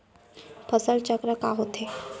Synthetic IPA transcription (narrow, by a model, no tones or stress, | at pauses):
pʰəsəɭt͡ɕəkɾəkaɦot̪e